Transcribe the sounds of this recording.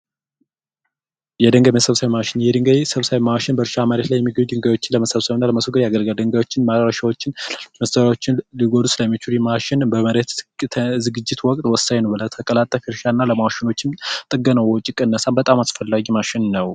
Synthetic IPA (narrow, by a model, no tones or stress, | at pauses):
jɛd̪əŋɡəmesəβsawimaʃɪnjɛd̪ɨŋɡajsəβsaβimawʃɪnbəɾʃaməɾet̪lajːɛmːiɡəɲud̪ɨŋɡajwo̞t͡ʃːɪnləməsəβsəβɨnːaləməsukɨɾjaɡəlɡəld̪ɨŋɡajwo̞t͡ʃːɪnmaɾəɾəʃawot͡ʃːɪnməst̪əɾawo̞t͡ʃːɪnliɡo̞d̪usɨlamːit͡ʃuɾjmaʃɪnbəməɾet̪ʰzɨɡɨd͡ʒːɪt̪wɔkʼt̪ʼwɔsːaɲnəwbələt̪ʰəkʼəlat̪ʼːəfiɾʃanːaləmawʃɪno̞t͡ʃːɪmt̪ʼɨɡːənəwɔt͡ʃʼːikʼənːəsanbət̪ʼamasfəlːaɡimaʃɪnnəw